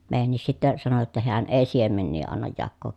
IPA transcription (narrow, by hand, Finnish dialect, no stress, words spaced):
meˑijænːis sitːæ sɑno jotːɑ heæn eˑi siemenːiː ɑnːɑj jɑkːoːk